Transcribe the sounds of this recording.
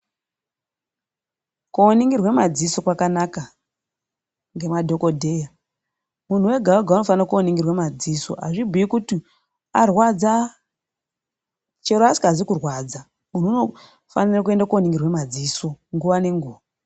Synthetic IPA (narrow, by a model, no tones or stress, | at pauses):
kooniŋɡirwe̞mad͡ziso̞kwakanaka | ŋɡe̞madʱo̞ko̞dʱe̞ja | mun̤uwe̞ɡʱawoɡʱaunofanirakuoniŋɡirwemad͡ziːso̞̰ʔa̰ʐibʱuikuti | arwad͡za | t͡ʃe̞ɾoasi̥ɡazikurwaːd͡za | mun̤uːno̞ | fa̰nirakue̞ndakuoniŋɡirwe̞mad͡ziːso̞ŋɡuʋane̞ŋɡuːʋa